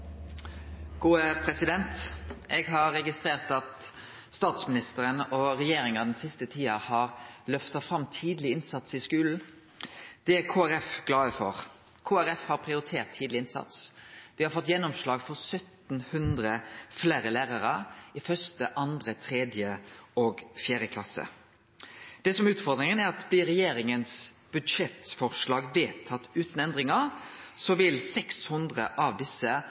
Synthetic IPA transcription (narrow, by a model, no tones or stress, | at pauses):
ɡ̥uːəpʰɾɛsɪd̪ɛnt̪ʔɛɡɦɑːɛɡɪst̪ɾeːʁt̪ɑt̪ | st̪ɑːt̪smɪnɪst̪əɾənɔʁɛjeːɾɪŋɑd̪ɛnsɪst̪ət̪ʰiːɑhɑːʁlœft̪ɑfɾɑmːt̪ʰiːd̪lɪɪnsɑt̪sɪskʉːln̩ | d̪̥ɛæɾkʰoːæɾɛfɡ̥lɑːəfɔ̰ʁ | kʰoːæɾɛfhɑɾpʰʁɪʊɾɪt̪ʰeːɾt̪ʰːiːd̪lɪɪnsɑ̰t̪sʋɪhɑɾfɔt̪ːjɛnːɔmslɑːɡfɔʁsœt̪n̩hʉnd̪ɾəfleːɾəlæːʁɑɾəɪfœst̪əʔɑnd̪ʁət̪ʰʁeːd̪jəɔɡfjæːɾjəkʰlɑsə̰ | d̪̥ɛsɔmæʉːt̪fɔɾd̪ɾɪŋənæɾɑt̪blɪɾɛjeːɾɪŋəns | b̥ʉd̪ʂɛt̪fɔʁʂlɑːɡʋeːt̪ʰːɑt̪ːʉːt̪n̩ɛnd̪ʁɪŋəɾsɔʋɪlsɛkshʉnd̪ʁə̰ʔɑʋd̪ɪsːə